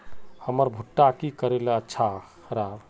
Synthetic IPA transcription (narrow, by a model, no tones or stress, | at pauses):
həməɾbʱuʈːakikəɾelətːʃʰa | ɾab